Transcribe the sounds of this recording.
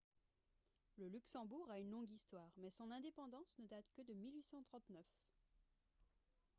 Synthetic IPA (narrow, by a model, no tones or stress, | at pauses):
ləlyksɑ̃buʁaynlɔ̃ɡist̪waːʁmɛsɔ̃nɛ̃d̪epɑ̃d̪ɑ̃snəd̪at̪kəd̪əmilɥisɑ̃t̪χɑ̃t̪nœf